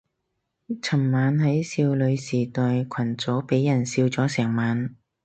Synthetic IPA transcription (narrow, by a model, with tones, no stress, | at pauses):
t͡sʰɐ˨˩mmaː˨˧nɦɐ˨˥jsiː˧wlɵ˨˧ɥsiː˨˩t̪ɔː˨jkʰɐ˨˩nt͡sɔː˨˥wpe˨˥jːɐ˨˩nsiː˧wt͡sɔː˨˥sɛː˨˩ŋmaː˨˧n